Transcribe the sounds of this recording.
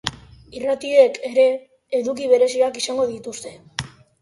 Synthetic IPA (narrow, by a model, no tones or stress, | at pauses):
irat̪ie̞kʰe̞ɾe̞ː | ðukiβ̞e̞ɾe̞siakisaŋɡo̞ðit̪ust̪e̞